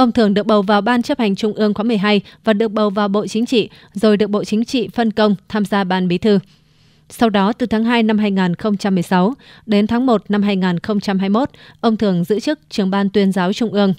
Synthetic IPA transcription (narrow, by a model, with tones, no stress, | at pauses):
ʔə˧wŋ͡mt̪ʰɨ˧˩əŋɗɨ˨˩ək̚ɓə˨˩wvaː˨˩wɓaː˧nt͡ɕə˦˥p̚ha˨˩jŋ̟t͡ɕʊ˧ŋ͡mʔɨ˧əŋkwaː˨˦m˨˩əjɦaː˧jvaː˨˩ɗɨ˨˩ək̚ɓə˨˩wvaː˨˩wɓo̰˧˨t͡ɕï˨˦ŋ̟t͡ɕḭ˧˨ | zo˨˩jɗɨ˨˩ək̚ɓo̰˧˨t͡ɕï˨˦ŋ̟t͡ɕḭ˧˨fə˧nkə˧wŋ͡mt̪ʰaː˧mzaː˧ɓaː˧nɓi˨˦t̪ʰɨ˧ | sa˧wɗɔ˨˦t̪ɨ˨˩t̪ʰaː˨˦ŋɦaː˧jna˧mɦaː˧jŋaː˨˩nxə˧wŋ͡mt͡ɕa˧mːɨ˨˩əjsa˨˦wɗe˨˦nt̪ʰaː˨˦ŋmo˨˩t̚na˧mɦaː˧jŋaː˨˩nxə˧wŋ͡mt͡ɕa˧mhaː˧jmo˦˥t̚ʔə˧wŋ͡mt̪ʰɨ˧˩əŋzɨ̰˧˥t͡ɕɨ˦˥k̚t͡ɕɨ˨˩əŋɓaː˧nt̪wi˧ənzaː˨˦wt͡ɕʊ˧ŋ͡mʔɨ˧əŋ